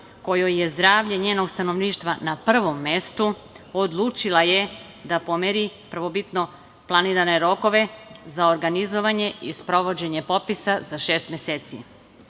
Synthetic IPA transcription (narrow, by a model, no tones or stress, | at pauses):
ko̞jojje̞zd̪ɾaːʋʎeɲeːno̞ɡst̪ano̞ʋniːʃt̪ʋanapr̩ʋo̞mːe̞st̪u | od̪lˠuːt͡ʃilaje | d̪apo̞meɾipr̩ʋo̞bit̪no̞ | plˠaniːɾane̞ɾo̞ko̞ʋe̞zaoɾɡanizo̞ʋaɲe̞ispɾo̞ʋo̞d͡ʑe̞ɲe̞po̞pisazaʃeːst̪meseːt̪sḭ